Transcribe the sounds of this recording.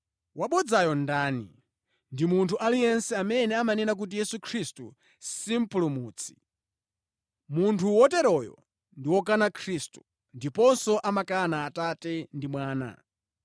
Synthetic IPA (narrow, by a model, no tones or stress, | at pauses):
waɓɔd͡zajɔndaːnḭ | ndimuntʰuʔalijɛnsɛamɛnɛamanɛnak̬ut̬ijɛsukʰɾistu | sim̩pulumuːt͡sʰi̥ | muntʰuwɔtɛɾɔjɔ̰ | ndiwɔk̬anakʰɾistu̥ | ndipɔnsɔʔamakanaːtatɛndimwaːna̰